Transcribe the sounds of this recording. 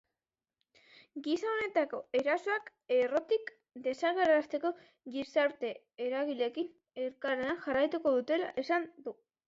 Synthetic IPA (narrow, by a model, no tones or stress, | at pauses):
ɡisao̞ne̞t̪ako̞e̞ɾasoak | e̞ro̞t̪ik | d̪e̞saɣeɾaast̪e̞ko̞ | ɣisaɾt̪e̞ː | ɾaɣile̞kin | e̞ɾkaɾeanʝarajt̪uko̞ðut̪e̞laʔesand̪u